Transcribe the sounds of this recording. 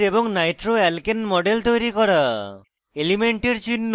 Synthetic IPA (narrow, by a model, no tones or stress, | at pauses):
ɾeboŋnajʈɾoɛlkenmɔɖelt̪ojɾikɔɾa | elimeɳʈiɾt͡ɕinː